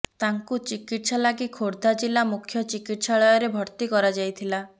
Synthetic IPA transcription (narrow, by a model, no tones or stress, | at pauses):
t̪aŋkut͡ʃikiʈsalaɡikʰoɾd̪ʱad͡ʒilamukʰjɔt͡ʃikiʈsaɭɔjɔɾebʱɔɾt̪ikɔɾad͡ʒajt̪ʰila